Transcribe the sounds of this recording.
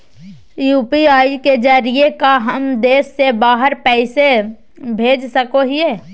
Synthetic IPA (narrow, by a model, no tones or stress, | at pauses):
juːpiaːiked͡ʒaɾiekaɦəmd̪eːsːebaːɦəɾpɛːɪse | bʱeːd͡ʒsəkoɦieː